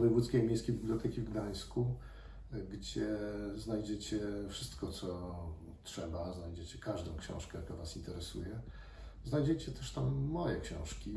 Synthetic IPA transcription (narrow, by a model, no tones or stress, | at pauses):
vɔjɛvut̪skʲejmʲjejskʲejbʲibljɔt̪ɛkʲivɡd̪aj̃sku | ɡd͡ʑɛznajd͡ʑɛt͡ɕɛfʂɘ̥st̪kɔt̪sɔ | tʂɛbaznajd͡ʑet͡ɕɛkʰaʐd̪ɔ̃w̃kɕɛ̰̃w̃ʂkɛjakɔ̃vasint̪ɛɾɛsṵjɛ | znajd͡ʑɛt͡ɕɛt̪ɛʂt̪amːɔjɛkɕɛ̰̃w̃ʂkʲi